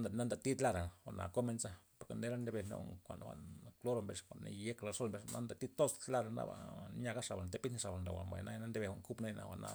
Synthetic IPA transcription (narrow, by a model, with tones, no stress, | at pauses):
na˦nd̪a˨t̪i˦t̪la˦ɾa˨wa˨ʔna̰˨ko˦me˧nsa˦po˨ɾka˨ne˦ɾa˦nd̪e˧be˧˨no̰˦kʷa̰˨nwa̰˨nklo˦ɾo˧mbe˨ʂkʷa˨na˧je˦kla˧so˦lmbe˧ʂna˦nd̪a˨t̪i˦t̪o˦st̪la˦ɾa˨na̰˦a̰˨ɲa˧ɡa˦ʂa˨ba˨t̪e˦pi˦n˦ʂa˨ba˨nɾa̰˨wa̰˨mba̰˨jna˦jna˦nd̪e˦be˧˨wʷa̰˨ŋku˦pne˦na̰˨wa̰˨na̰˧